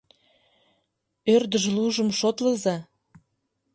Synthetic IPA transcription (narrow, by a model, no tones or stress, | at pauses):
ørd̪əʒluʒə̆mʃot̪ləzɑ